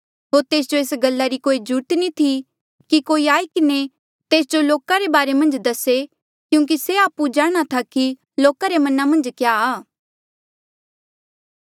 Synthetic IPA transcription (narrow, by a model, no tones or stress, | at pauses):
ɦoːɾt̪eːs̬d͡ʒoeːsɡɐlːaɾikoːid͡ʒuʈnit̪ʰi | kikoːiaːikɪne | t̪eːs̬d͡ʒoloːkaɾebaːɾemɐ̃nd͡ʒd̪ɐse | kjũːk̬iseaːpud͡ʒaːɽ̃at̪ʰaki | loːkaɾemɐnamɐ̃nd͡ʒkjaaː